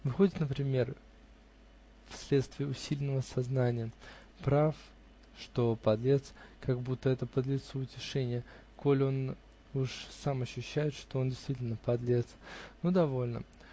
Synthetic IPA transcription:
vɨxo̞dʲɪt̪nəpɾʲɪmʲe̞r | fsʲlʲe̞t̪st̪vʲɪəʊsʲilʲɪnːəvəsɐznanʲɪjə | pɾaf | ʂt̪o̞pɐd̪lʲe̞t̪skaɡbut̪ːəɛt̪əpəd̪lʲɪt̪suʊtʲɪʂɛnʲɪjə | ko̞lʲo̞n | uʂsamɐɕːʉɕːæjɪt̪ʂt̪oondʲɪjst̪vʲitʲɪlʲnəpɐd̪lʲet̪snod̪ɐvo̞lʲnə̰

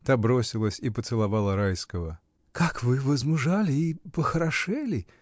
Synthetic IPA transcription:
t̪abɾosʲɪlˠəsʲipət̪sɨlˠɐvɑlˠəɾajskəvə | kakvɨvəzmʊʐalʲɪipəxəɾɐʂɨlʲɪ

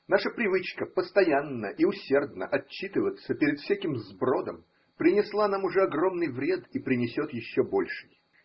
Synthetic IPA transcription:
naʂəpɾʲɪvɨt͡ɕkəpəst̪ɐjanːəʔiʊsʲe̞rd̪nə̰ʔɐt͡ɕːit̪ɨvət̪səpʲɪɾʲɪd̪fsʲækʲɪmzbro̞d̪ə̰m | pɾʲɪnʲɪslˠanamʊʐɛɐɡro̞mnɨjvɾʲe̞d̪ipɾʲɪnʲɪsʲo̞t̪jɪɕːobo̞̰lʲʂɨ̥j

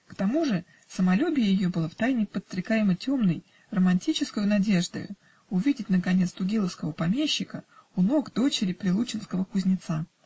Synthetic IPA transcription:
kt̪ɐmuʐɨ | səmɐlʲubʲɪjəjɪjobɨlˠaft̪ajnʲɪpət̪st̪ɾʲɪkajɪmətʲo̞mnəj | rəmɐnʲtʲit͡ɕɪskʊjʊnɐdʲe̞ʐd̪ɨ̰ | ʊvʲidʲɪtʲnəkɐnʲet̪st̪ʊɡʲilˠəfskəvəpɐmʲeɕːɪkəʊno̞ɡd̪o̞t͡ɕɪɾʲɪpɾʲɪlˠut͡ɕɪnskəvəkʊzʲnʲɪt̪sa

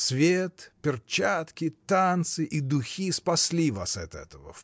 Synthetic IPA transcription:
svʲet̪pʲɪrt͡ɕat̪kʲɪt̪ant̪sɨʔid̪ʊxʲispɐsʲlʲiva̰sɐt̪ɛ̰t̪əvə̰f

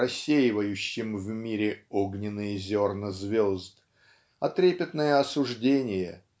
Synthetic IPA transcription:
ɐsʲːejɪvəjʉɕːɪmvmʲiɾʲɪoɡnʲɪnːɨjəzʲornəzvʲo̞zd̪ | ɐt̪ɾʲepʲɪt̪nəjəɐsʊʐdʲenʲɪjə

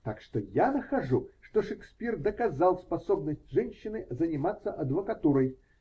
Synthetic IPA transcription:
t̪akʂt̪ojanəxɐʐuʂt̪oʂɛksʲpʲird̪əkɐzalˠspɐsobnəsʲtʲʐɛnʲɕːɪnɨzənʲɪmat̪sːəʔɐd̪vəkɐt̪uɾəj

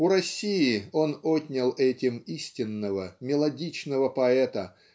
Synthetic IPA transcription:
ʊɾɐsʲiɪo̞notʲnʲɪlˠɛtʲɪmisʲtʲɪnːəvəmʲɪlˠɐdʲit͡ɕnəvəpɐɛt̪ə

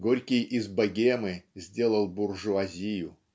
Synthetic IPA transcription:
ɡoɾʲkʲɪjʔɪzbɐɡʲemɨzʲdʲe̞lˠəlˠbʊrʐʊazʲijʊ

